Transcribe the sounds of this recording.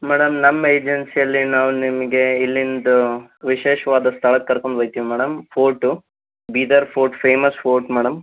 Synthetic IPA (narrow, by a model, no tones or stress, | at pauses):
mɛːɽɐmnɐmːɐeːd͡ʒensijɐlːinaːʋunimɐɡe̞ilːind̪uʋiʃeːʃɐʋaːd̪ɐst̪ʰɐɭɐkːɐɾkoɳɖbɐjt̪iʋimɛːɽɐmpʰoːɾʈu | biːd̪ɐɾpʰoːɾʈpʰeːmɐspʰoːɾʈmɛːɽɐm